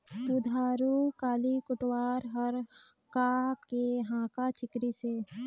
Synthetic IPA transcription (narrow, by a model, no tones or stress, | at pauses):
sud̪ʱaːɾukaːlikʊʈwaːɾɦəɾ | kakeɦãːkat͡ʃɪkɾiseː